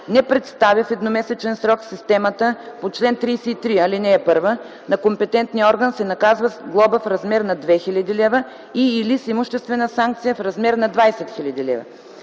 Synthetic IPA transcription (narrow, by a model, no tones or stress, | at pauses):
nɛpɾɛt̪st̪avʲəfɛd̪nomɛsɛt͡ʃɛnsɾɔksist̪ɛmət̪əpot͡ʃlɛnt̪ɾijsɛit̪ɾiɐlinɛːpɤɾvə | nɐkompɛt̪ɛnt̪niəɔɾɡənsɛnɐkazvəɡlˠɔbəfɾɐzmɛɾnɐd̪vɛxilʲɐd̪ilʲɛvə | iːlisimʊʃt̪ɛst̪vɛnəsaŋk̚t̪sijəfɾɐzmɛɾnɐd̪vajsɛt̪xʲilʲɐd̪ilɛ̰və̰